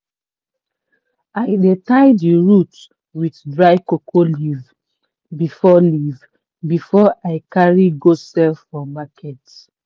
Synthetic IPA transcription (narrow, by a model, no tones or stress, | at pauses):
aɪdetaɪdiɹut | widdɹaɪkokʰoliv | bifɔliv | bifɔʔaɪkaɹiɡosɛlfɹɔmakʰɛt